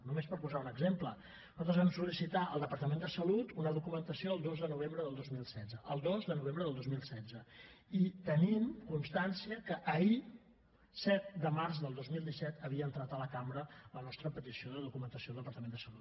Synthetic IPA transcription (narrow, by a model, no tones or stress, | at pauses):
numespəɾpuzaunəɡzemplə | nuzat̪ɾəzβɛmsulisit̪aʔəlˠd̪əpəɾt̪əmẽnd̪əsəlut̪unəðukumənt̪əsioəlˠd̪ozðənuβ̞embɾəðəlˠd̪ozmilˠsɛdd͡zəʔəlˠd̪ozðənuβembɾəðəlˠd̪ozmilˠsɛd͡zəit̪ənimkunst̪ansiəkəʔːi | sɛt̪̚d̪əmarzðəlˠd̪ozmilˠd̪isɛt̪əβ̞iəːnt̪ɾat̪ələkambɾələnɔst̪ɾəpət̪isioðəðukumənt̪əsiolˠd̪əpəɾt̪əmend̪əsəlut̪